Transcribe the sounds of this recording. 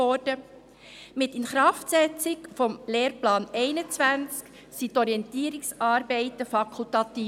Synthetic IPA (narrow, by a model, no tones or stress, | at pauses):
ɔɾd̥ə | mɪtɪnχɾɑftsɛt͡sɪkfɔmleːɾplɑːnɛɪnət͡svænt͡sk | sitɔɾiɛntiːəɾiksɑːɾbɛɪt̪əfɑkʰultɑt̪iː